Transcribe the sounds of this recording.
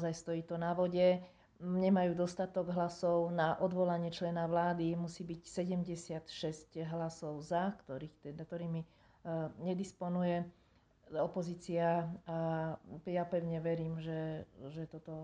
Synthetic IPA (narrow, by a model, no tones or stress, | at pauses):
zajst̪ɔjiːt̪ɔnaʋɔɟɛ | ɲɛmajuːd̪ɔst̪at̪ɔɡɦlasɔʊnaʔɔd̪ʋɔlaɲɪɛt͡ʃlɛnaʋlaːd̪imusiːbicsɛɟɛmɟɛsɪat̪ʃɛscɦlasɔʊzakt̪ɔɾiːxt̪ɛd̪kt̪ɔɾiːmi | ɲɛd̪ispɔnujɛ | ɔpɔziːt͡siaa | japɛʊɲɛʋɛɾiːmʒɛʒɛt̪ɔt̪ɔ